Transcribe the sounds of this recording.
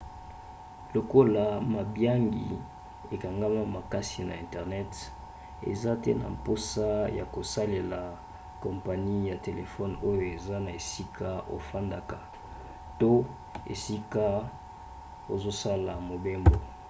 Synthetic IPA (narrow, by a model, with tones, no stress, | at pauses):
lo˨ko˦la˦ma˨bja˦ŋɡḭ˨ | e˨ka˨ŋɡa˦ma˦ma˨ka˦si˨na˨ɛ̰˨ntɛ˨ʁnɛ˦t | ḛ˨za˦tɛ˦na̰˨mpo˦sa˦ja˨ko˨sa˦le˨la˨ | kɔ˨mpa˨ni˦ja˨te˨le˨fɔ˦no˦jo˨e˨za˦na˨e˨si˦kʰa˦o̰˨fa˦nda˨ka˨ | to˦ | ḛ˨si˦ka˦ | o˨zo˦sa˦la˨mo˨be˦mbo˨